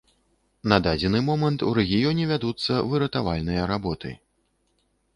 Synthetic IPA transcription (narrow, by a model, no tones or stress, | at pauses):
nɐd̪ad͡zʲɛnɨmɔmɐnt̪uɾɛɣʲijɔnʲɛvʲad̪ut̪sːɐvɨɾɐt̪avalʲnɨjɐɾabɔt̪ɨ̰